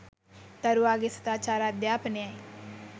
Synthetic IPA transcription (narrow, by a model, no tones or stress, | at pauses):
t̪əɾuaːɡɪst̪aːt͡ʃaːɾad̪jaːpneae